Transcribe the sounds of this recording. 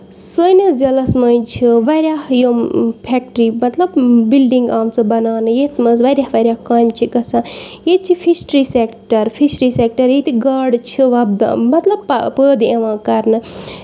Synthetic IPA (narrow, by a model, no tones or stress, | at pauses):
sənɐzʲɐlɐsmɐjt͡ʃʰiʋɐɾʲjaːhjompʰeːk̚ʈɾimɐt̪lɐbbilɖiŋɡaːmt͡sɨbɐnaːnɨjet̪ʰmɐzʋɐɾʲjaːhʋɐɾʲjaːhkaːjmt͡ʃʰikɐsʰãːjet͡ʃʰipʰisʈɾiːsekʈɐɾpʰisʈɾiːsek̚ʈɐɾjet̪iɡaːɖt͡ʃʰiʋɐb̚d̪̰mɐt̪lɐb̚ppəːd̪eʋãːkɐɾnɨ